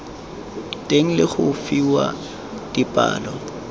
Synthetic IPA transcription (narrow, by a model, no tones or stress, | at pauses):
tʼeŋ̩lɪχʊfiwa | d̥ipʼa̰ːlɔ